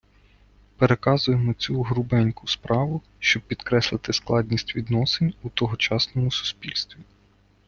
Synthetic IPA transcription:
peɾekɑzʊjemɔt͡sʲuɦɾʊbɛnʲkʊspɾɑʋʊ | ʃt͡ʃɔb̚pʲːid̪kɾɛslˠɪt̪ɪsklˠɑd̪ʲnʲisʲtʲʋʲid̪nɔsenʲut̪ɔɦɔt͡ʃɑsnɔmʊsu̥spʲilʲst̪ʋʲi

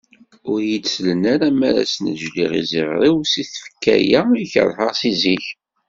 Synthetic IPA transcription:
ʊɾjid̪slənaɾamæɾa̰sənəʒliʁḭziʁɾˤiwsiθfə̥kːæ̰jæiçə̰ɾˤħəʁsiziç

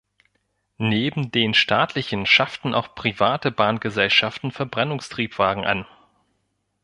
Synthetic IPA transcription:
neːbm̩deːnʃtʰaːtʰlɪçən̩ʃaftn̩ʔa̰ʊxpʁ̥ivaːtəbaːnɡəzɛlʃaftn̩fɛɐbʁɛnʊŋstʁ̥iːpv̥aːɡŋ̩ʔa̰n

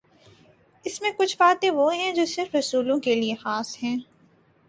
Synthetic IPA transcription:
ɪsmẽkʊt͡ʃʰbaːt̪ẽʋoɦɛ̃d͡ʒoːsɪɾfɾɐsuːlõkeliexaːsɦɛ̃ː

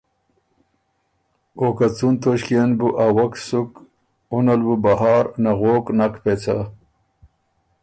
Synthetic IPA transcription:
okat͡sunt̪oɕkijanbuʔawɐksuk | unalwubaɦaːɾnaɣoknakpet͡sʰa̰

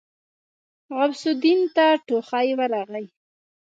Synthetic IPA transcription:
ɣabsʊd̪int̪aʈoxɑjwəɾaɣəj

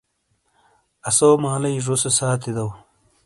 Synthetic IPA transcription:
ɐsoːmaːlɐjʐosesaːt̪id̪ɐw

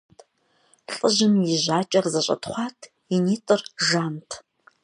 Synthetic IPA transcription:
ɬʼɨʒɪmjiʒʷaːt͡ʃʼɐrzɐɕʼɐ̰tʰχʷɑːtʰ | iniːtʼɨrʒaːntʰ

